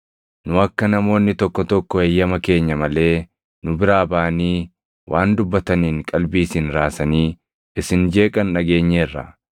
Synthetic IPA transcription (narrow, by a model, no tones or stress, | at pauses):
nʊɐkːɐnɐmo̞ːnːɪt̪ɔkːɔt̪ɔkːɔejːɐmɐke̞ːɲːɐmɐle̞ː | nʊbɪɾaːbaːniː | wʔaːnd̪ʊbːɐt̪ɐniːŋkʼɐlbiːsinɾaːsɐniː | ɪsɪnd͡ʒe̞ːkʼɐnːɐɡe̞ːɲːeːrːɐ̰